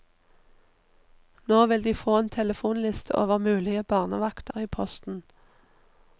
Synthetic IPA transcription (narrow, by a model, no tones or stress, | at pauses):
noːʋɪld̪iːfoːeːnt̪ʰɛləfuːnlɪst̪ʰə̰ʔo̰ːʋəʁmʉːlɪəbɑːʁnəʋɑkt̪ʰəʁiːpʰɔst̪n̩